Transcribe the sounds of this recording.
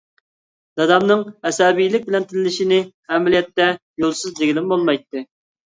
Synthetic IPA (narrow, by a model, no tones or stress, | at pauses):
d̪̥ɑd̪ɑmnɨŋɛsɑbijlɪk̚ʲbɪlɛnt̪ʰɪnlɪlɪʃinɪ | ɛmɪlijɛt̪ːɛ | jolˠsɨzd̪eɡʲilɪmbolˠmɑjt̪ːɨ